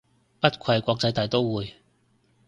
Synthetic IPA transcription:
pɐ˥t̚kʷʰɐ˨˧jkʷɔː˧k̚t͡sɐ˧jt̪aː˨˧jt̪o˥wwuː˨˧j

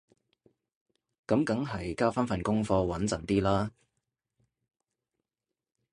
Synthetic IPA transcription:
kɐ˨˥mkɐ˨˥ŋɦɐ˨jkaː˥wfɐ˥nfɐ˨nkʊ˥ŋfɔː˧wɐ˨˥nt͡sɐ˨nt̪iː˥laː˥

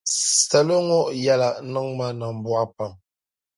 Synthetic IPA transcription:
sə˨lə˦ŋɔ˦ʔja˦la˨ʔnə˦ŋma˦nə˨m̩˨bwa˦pa˨ŋ

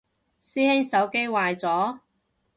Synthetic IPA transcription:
siː˥hɪ˥ŋsɐ˨˥wke˥jwaː˨˧jt͡sɔː˨˥

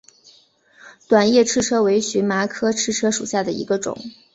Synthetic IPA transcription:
t̪wa˨˩njɛ˥˩ʈ͡ʂʰɻ̩˥ʈ͡ʂʰɤ˥we˧˥ɪɕy˧˥ma˧˥kʰɤ˥ʈ͡ʂʰɻ̩˥˩ʈ͡ʂʰɤ˥ʂu˨˩ɕja˥˩d̪ə˩ḭ˧˥ɡə˧ʈ͡ʂʊ̰˨˩˦ŋ

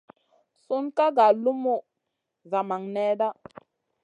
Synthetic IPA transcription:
su˦nka˦ɡa˨lu˦mu˦ | za˨ma˨ŋnɛ˦da˦

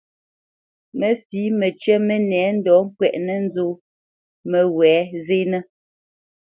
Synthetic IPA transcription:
mə˨fi˨˦mə˨t͡ʃɛ˦mə˦nɛː˨˦n̩˦dɔ˨˦ŋ̩˦kwɛ˨ʔnə˦n̩˦zo˦ | mə˨wɛː˨˦ze˦nə˦

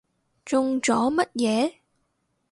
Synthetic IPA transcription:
t͡sʊ˧ŋt͡ʃɔː˨˥mɐ˦˥t̚jɛː˨˧˦

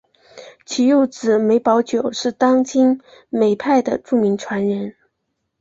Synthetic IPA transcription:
t͡ɕʰi˧˥jo˥˩ʊt͡sɹ̩˨˩me˧˥ɪpɑ˧˥ʊt͡ɕjo˨˩ʊʂɻ̩˥˩t̪ɑ˥ŋt͡ɕi˥n | me˨˩ɪpʰa˥˩ɪd̪ə̰˩ʈ͡ʂu˥˩mi˧˥ŋʈ͡ʂʰwa˧˥nɻə˧˥n

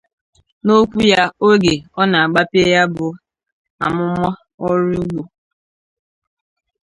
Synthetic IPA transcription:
no˦kʷu˦ja˦o˦ɡe˨ɔ˦na˨a˨ɡ͡ba˦pi˦e˦ja˦bʊ˨ | a̰˨mʊ˦mɔ˦ | ɔ˦ɾi˦ɡ͡bo˨

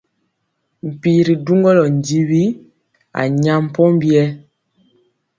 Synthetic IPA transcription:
m̩˨pi˨ɾi˨du˦ŋɡɔ˦lɔ˨n̩˨di˦wi˦ | a̰˨ɲa˦˨m̩˨pɔ˦m˦bi˦ɛ˦

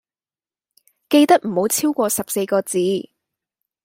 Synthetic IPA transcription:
ke˧jt̪ɐ˥k̚m̩˨˩ho˨˥wt͡sʰiː˥wkʷɔː˧sɐ˨p̚se˧jkɔː˧t͡siː˨˥

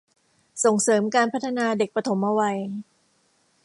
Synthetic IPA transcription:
so˨˩ŋsɤː˩˦mkaː˧npʰa˦˥t̪ʰːa˧naː˧de˨˩k̚pɾa˧t̪ʰo˩˦mːa˧wa˧j

